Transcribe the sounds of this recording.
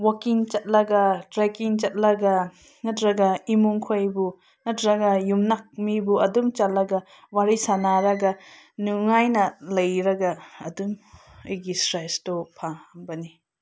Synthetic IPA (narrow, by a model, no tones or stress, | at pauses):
wakiŋt͡ʃɐt̚lɐɡɐtɾekiŋt͡ʃɐt̚lɐɡa | ŋɐtɾɐɡaimuŋkʰojbu | ŋɐtɾɐɡɐjumnak̚mibuɐdumt͡ʃatlɐɡa | waɾisanaɾɐɡa | nuŋajnɐlɐjɾɐɡaːdum | ɯjɡisɾajstɔpʰabɐni